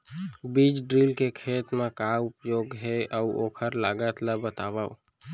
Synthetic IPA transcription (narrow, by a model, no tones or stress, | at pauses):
biːd͡ʒɖɾiːlkekʰeːt̪mãkaʊpjoːɡɦɛəo̰ːkʰəɾlaːɡət̪labət̪aːʋaːo